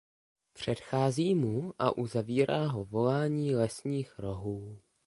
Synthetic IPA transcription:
pr̝̥ɛt̪xaːziːmuʔa̰ʔuzaviːɾaːɦo̞vo̞laːɲiːlɛsɲiːxɾo̞ɦuː

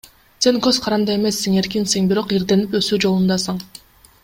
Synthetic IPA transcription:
senkʲøzqʰɑɾɑnd̪ɑe̞mesːiŋe̞ɾk̬ʲinsiŋbiɾo̞qiɾd̪e̞nipøsyːd͡ʒo̞lˠund̪ɑsɑɴ

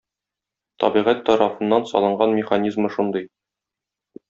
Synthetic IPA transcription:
t̪ɒ̰biʁæt̪ːɒɾɑfɤ̆nːɑnsɒ̰lˠɤ̆ɴɢɑnmʲɪχanʲizmɤʃund̪ɤj

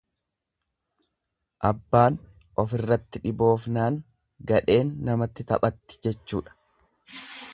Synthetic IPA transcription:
ʔɐbːaːn | ʔɔfɪrːɐt̪ːɪᶑɪbo̞ːfnaːŋ | ɡɐᶑe̞ːnːɐmɐt̪ːɪt̪ɐ̰pʼɐt̪ːɪ̥d͡ʒɛt͡ʃːṵːᶑɐ̥

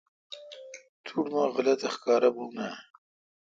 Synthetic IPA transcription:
t̪ʰuʈmaɣalat̪axkɑːɾabuna

